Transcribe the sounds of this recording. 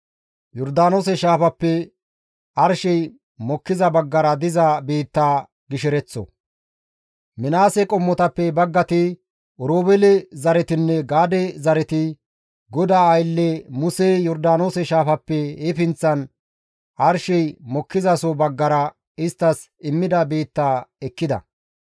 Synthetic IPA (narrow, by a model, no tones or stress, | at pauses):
jɔɾd̪aːnoːsɛʃaːfɐpːɛ | ɐɾʃɛj | mɔkːɪzɐbɐɡːɐɾɐd̪ɪzɐbeːt̪ːaː | ɡɪʃɛɾɛt͡sːɔ̰ | mɪnaːsɛkʼɔmːɔt̪ɐpːɛbɐɡːɐt̪ɪ | ʔɔɾoːbɛlɛzɐɾɛt̪ɪnːɛɡaːd̪ɛzɐɾɛt̪ɪ | ɡɔd̪aːjlːɛmʊsejɔɾd̪aːnoːsɛʃaːfɐpːɛeːfɪnt͡sːɐn | ʔɐɾʃɛjmɔkːɪzɐsɔbɐɡːɐɾɐ | ɪst̪ːɐs | ɪmːɪd̪ɐbeːt̪ːaːɛkːɪd̪ɐ̰